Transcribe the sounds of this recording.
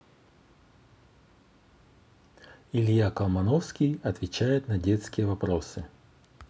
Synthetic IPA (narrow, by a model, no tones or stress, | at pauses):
ɪlʲjakɐlˠmɐnɔfskʲijɐt̪vʲɪt͡ɕajɪt̪nɐdʲet̪skʲɪjəvɐpɾosɨ